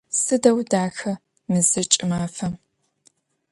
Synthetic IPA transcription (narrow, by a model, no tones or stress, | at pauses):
sɨdɐwdaːxɐ | mɨzɐt͡ʃʼɪmaːfɐm